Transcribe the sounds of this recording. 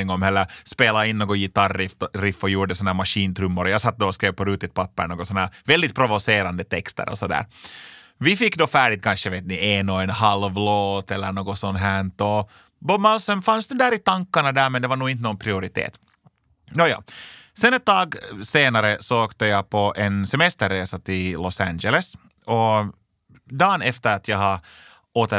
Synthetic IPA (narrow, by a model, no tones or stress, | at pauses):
ɪŋːɔmhɛlːəɾspeːlaɪnːoːɡɔjɪt̪ɑɾːɪfɾɪfːɔjuːɖəsɔnhæːmɑʂiːnt̪ʰɾɵmːʊɾəjɑːsɑt̪̚ːd̪ɔːskɾeːvpʰɔɾʉːt̪ɪt̪̚pɑpːə̰ɳoːɡɔsɔnhæːɾvɛld̪ɪt̪̚pʰɾɔvɔseːɾand̪ət̪ʰɛkst̪ə̰ɾʔɔ̰sɔd̪æ̰ːɾ | vɪfɪkːd̪ɔfæːɖɪt̪̚kʰɑnʂəʋeːt̪nɪʔɛnoːɛnhɑlvloːt̪ɛlːəɳoːɡɔsɔnːɦæɳt̪ɔ | bɔmalsɔnfansd̪ɛd̪æːɾɪt̪aŋkːaɳɑd̪æːɾmɛnd̪ɛvaɳuːɪnt̪ənɔːnpʰɾɪʊɾɪt̪ʰḛːt̪ | joːjɑ̰ːsɛnɛt̪̚d̪ɑːɡseːnaɾəsɔoːkt̪əjɑpʰɔʔɛnsɛmɛst̪əɾːeːsat̪ʰɪllɔsænd͡ʒɛləs | ɔ | d̪ɑːnɛft̪əɾɑt̪jɑɡɦa | oːt̪ə